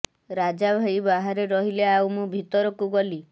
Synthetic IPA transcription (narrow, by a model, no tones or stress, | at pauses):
ɾad͡ʒabʱajbaɦaɾeɾɔɦileawmubʱit̪ɔɾɔkuɡɔli